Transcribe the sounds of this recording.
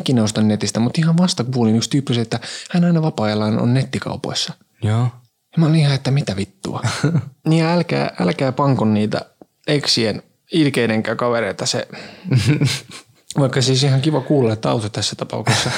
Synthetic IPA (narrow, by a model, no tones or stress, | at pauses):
ikinæost̪ɑnnet̪ist̪æmut̪ihɑʋʋɑst̪ɑkuulinykst̪yːpːyset̪ːæhænɑinɑʋɑpɑːelɑːno̰nnet̪ːikɑ̰upo̰isːɑ | joː | moliihɑet̪ːæmit̪æʋit̪ːṵɑniːjɑælkæ̰ːʔæ̰lkæːpɑŋkonniːt̪æ̰ | eksien | ilkeineŋkæːkɑʋeɾeit̪ɑsḛ | ʋɑikːɑsiːsihɑŋkiʋɑkuːlːɑet̪ːɑ̰ut̪ot̪æsːæt̪ɑpɑ̰ṵksesːɑ